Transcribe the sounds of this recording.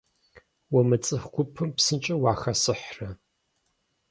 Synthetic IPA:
wɔmɨt͡sʼɨxɡʷʊpʰɨmpsɨnt͡ʃʼɐwaːxɐsɨħrɐ

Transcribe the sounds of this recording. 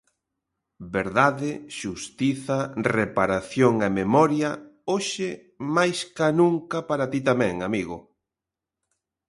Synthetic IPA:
beɾðaðɪʃust̪iθɐrepaɾaθjoŋememɔɾjɐoʃɪ | majskanuŋkɐpaɾat̪it̪amɛ̃ŋamiɣʊ

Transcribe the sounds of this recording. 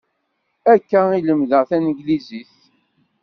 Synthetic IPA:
ækːæiləmðəʁθænɡliziθ

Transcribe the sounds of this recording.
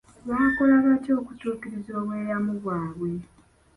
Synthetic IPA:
βaːkolaβato̞ːkutuːkiɾizo̞ːβwe̞ːjamuβwaːβwe̞

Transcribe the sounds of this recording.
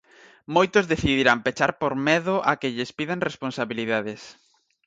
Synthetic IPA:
mojt̪ozðeθiðiɾampet͡ʃaɾpoɾmɛðʊʔakɪʎɪspiðaŋresponsaβiliðaðɪs

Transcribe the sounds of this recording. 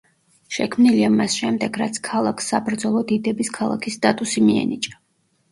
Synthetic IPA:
ʃɛkʰmniliamasʃɛmd̪ɛɡ̥ɾat̪sʰkʰalˠakʰsːabɾd̪zɔlˠɔd̪id̪ɛbiskʰalˠa̰kʰisːt̪ʼat̪ʼusimiɛ̰nit͡ʃʼa

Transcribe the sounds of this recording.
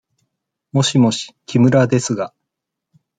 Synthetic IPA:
mo̞ɕimo̞ɕi̥kʲʰimɯ̟ɾad̪e̞sɨɡa

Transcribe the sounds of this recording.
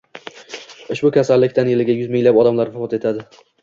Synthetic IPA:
ɪʃbʊkʲʰasalːɪkʲt̪anjelɪɡʲajʊzmɪŋlapɒd̪amlaɾvʊfɒt̪e̞t̪ʰad̪ɪ

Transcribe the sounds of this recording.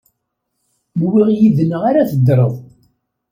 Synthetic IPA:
mwiʁjiðnəʁaɾaθəd̪ːɾˤəðˤ

